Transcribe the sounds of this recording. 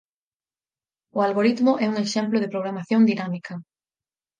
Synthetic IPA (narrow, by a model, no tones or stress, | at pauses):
ʊalɣoɾit̪mʊʔɛuŋeʃɛmplʊðepɾoɣ̞ɾamaθjoŋd̪inamikʰɐ